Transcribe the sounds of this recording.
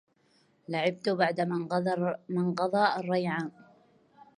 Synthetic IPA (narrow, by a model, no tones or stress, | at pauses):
laʕɪb̚t̪ʊbaʕd̪a | mɪnqɑd̪ˤɑːʔɑrˤːɑjʕaː